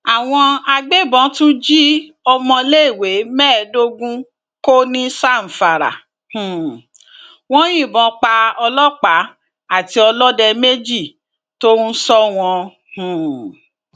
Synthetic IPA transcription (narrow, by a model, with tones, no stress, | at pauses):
a˨w̃ɔ̃˧a˧ɡ͡be˦bɔ̃˨˦tũ˦d͡ʒi˦ | ɔ˧mɔ̃˧le˦i˦˨we˨˦mɛː˦˨do˦ɡũ˦ | ko˦nĩ˦sa˦˨m̩˨fa˨ɾa̰˨ | hũ˨ | w̃ɔ̃˦j̃ĩ˦˨bɔ̃˨˦k͡pa˧ɔ˧lɔ˦k͡pa˨˦ | a˦˨ti˧ɔ˧lɔ˦dɛ˧me˦d͡ʒi˦˨ | to˦sɔ˦w̃ɔ̃˧ | hũ˨